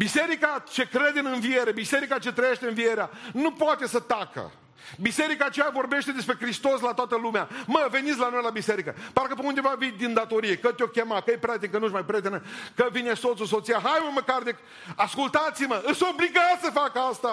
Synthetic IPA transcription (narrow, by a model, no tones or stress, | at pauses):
bise̞ɾikat͡ʃe̞kɾe̞d̪ɨnɨnvie̞ɾe̞bise̞ɾikat͡ʃe̞t̪ɾəje̞ʃt̪eɨnvie̞ɾeanupoat̪e̞sət̪akə̰ | bise̞ɾikaːt͡ʃejavo̞rbe̞ʃt̪e̞d̪e̞spɾe̞kɾist̪o̞slat̪oat̪əlumeaməve̞nit̪sʲlano̞jlabise̞ɾikəpaɾkəpeund̪e̞vavid̪ind̪at̪o̞ɾijekət̪ʲo̞kʲe̞makəjepɾat̪ikənuʃmajpɾjet̪enəkəvineso̞t̪sus̬o̞t̪sijaɦajməməkard̪ek | askult̪at̪siməɨt̪so̞bliɡat̪səfakəast̪a